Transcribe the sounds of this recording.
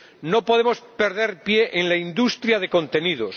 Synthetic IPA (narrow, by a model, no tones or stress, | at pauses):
nopo̞ðemo̞spe̞ɾð̞e̞ɾpje̞ʔeŋlaind̪ust̪ɾjað̞e̞kõ̞nt̪e̞nið̞os